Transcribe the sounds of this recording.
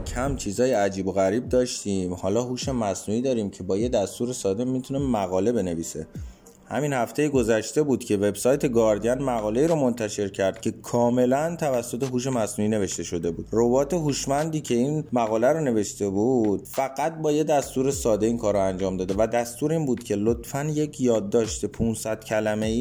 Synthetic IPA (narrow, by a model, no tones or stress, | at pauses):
kʰæmt͡ʃʰiːzɒːjeæd͡ʒiːbo̞ɣæɾiːb̚d̪ɒːʃt̪iːmhɒːlɒːɦuːʃe̞mæsnuːiːd̪ɒːɾiːmcʰe̞bɒːje̞d̪æst̪uːɾe̞sɒːd̪emːit̪ʰune̞mæɣɒːle̞be̞ne̞viːsḛ | hæ̰minhæft̪ʰe̞jeɡo̞zæʃt̪e̞buːd̪̥cʰe̞ve̞bsɒːjt̪ʰe̞ɡɒːɾd̪ijænmæɣɒːle̞iːɾomo̞nt̪ʰæʃe̞ɾcʰæɾd̪̥̚cʰe̞kʰɒːme̞lænt̪ʰævæsːo̞t̪ʰe̞ɦuːʃ̬e̞mæsnuːiːne̞ve̞ʃt̪e̞ʃo̞d̪e̞buːd̪robɒːt̪ʰe̞ɦuːʃmænd̪iːcʰe̞inmæɣɒːlæɾone̞ve̞ʃt̪e̞buːd̪̥fæɣæt̪̚bɒːje̞d̪æst̪uːɾe̞sɒːd̪e̞iːnkʰɒːɾoænd͡ʒɒːmd̪ɒːd̪evæd̪æst̪uːɾeiːnbuːd̪cʰe̞lot̪fænje̞cʰjɒːd̪ːɒːʃt̪epʰunsæd̪̥cʰælæme̞iː